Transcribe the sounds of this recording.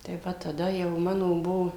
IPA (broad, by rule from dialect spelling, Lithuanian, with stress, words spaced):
tɐɪ ˈʋɐ tɐˈdɐ jɛʊ ˈmɑːnoː ˈbuɔ